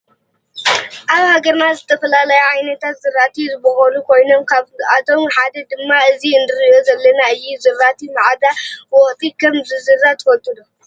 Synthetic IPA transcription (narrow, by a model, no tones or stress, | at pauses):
ʔaβhaɡɐɾnazɨt̪ʰɐfɐlalɐjuʕajnɐt̪ʰat̪zɨɾːat̪ʰizɨbɐxɐlukʰo̞jno̞mkʰaat̪ʰo̞mħad̪ɐd̪ɨmːaɨziɨnd̪ɨɾjo̞zɐlːɐnaɨjːuzɨrːat̪ʰimaʕad̪awɔχt̪ʰikʰɐmzɨzɨɾːat̪ʰɨfɐt̪ʼːud̪o